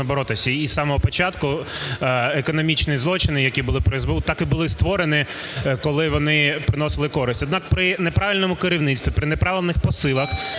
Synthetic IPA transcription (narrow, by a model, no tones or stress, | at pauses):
ɐbɔɾɔt̪ɪsʲɐisɑmɔɦɔpɔt͡ʃɑt̪kʊ | ekɔnɔmʲit͡ʃnizˠɔt͡ʃɪnɪjɐkʲibʊlˠɪpɾɪzbɪt̪ɑkɪbʊlˠɪst̪ʋɔɾenɪ | kɔlˠɪʋɔnɪpɾɪnɔsɪlˠɪkɔɾɪsʲtʲɔd̪nɑk̚pɾɪnepɾɑʋʲilʲnɔmʊkeɾʲiwnɪt͡ssʲt̪ʋʲipɾɪnepɾɑʋʲɪlʲnɪxpɔsɪlˠɐx